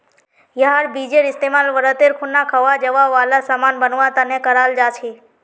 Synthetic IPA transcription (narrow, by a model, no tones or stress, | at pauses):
jəɦaɽbid͡ʒeɾɪst̪emalʋəɾət̪eɾkʰunːakʰəʋad͡ʒəʋaʋalasamanbənʋãt̪ənekəɾald͡ʒat͡ʃʰe